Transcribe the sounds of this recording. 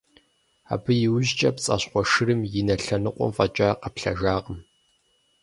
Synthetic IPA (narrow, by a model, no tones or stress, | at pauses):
a̰ːbɨjɪwʑt͡ʃʼɐpt͡sʼɐ̰ɕqʷɔʂɨrɨmjɪnɐɬɐnɨqʷʼɔ̰mfʼɐt͡ʃʼaqɐpɬɐ̰ʒaːʁəm